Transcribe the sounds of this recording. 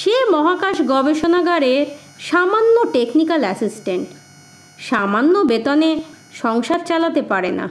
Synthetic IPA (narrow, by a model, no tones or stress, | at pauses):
ʃemɔɦakaʃɡɔbeʃonaɡaɾeɾ | ʃamanːoʈeknikalɛsisʈeɳʈ | ʃamanːobet̪one | ʃɔŋʃad̪̚t͡ɕalat̪epaɾena̰